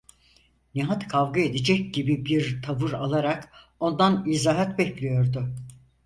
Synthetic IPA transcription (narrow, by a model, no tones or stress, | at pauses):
niɦat̪kʰavɡae̞d̪id͡ʒɛc̚ɟibibiɾt̪ʰavɯɾalˠaɾak | o̞nd̪anizaːɦɛt̪bɛclʲijo̞ɾd̪ʊ